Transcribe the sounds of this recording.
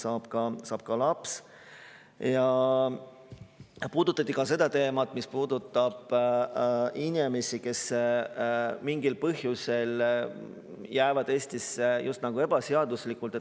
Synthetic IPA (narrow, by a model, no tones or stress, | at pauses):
sɑːb̥kɑsɑːb̥̚kɑlɑps | jɑ | puːd̪̥ut̪ːˑɑt̪ːˑikɑse̞d̪̥ɑt̪e̞ːmɑt̪ːˑmispuːd̪ut̪ˑːɑb̥ | inʲimesike̞s | miŋɡilpɤɦjuse̞l | jæːvɑd̪̥e̞ːsʲt̪isjʔust̪nɑɡ̥ue̞b̥ɑseɑd̪uslikːˑult̪e